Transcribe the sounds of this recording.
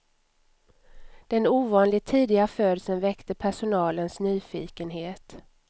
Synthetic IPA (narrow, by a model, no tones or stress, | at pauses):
d̪̥ɛnuːvɑːnlɪt̪ʰiːd̪ɪɡaføːd̪əsənvɛkt̪əpʰæʂʊnɑːlənsnyːfiːkənɦeːt̪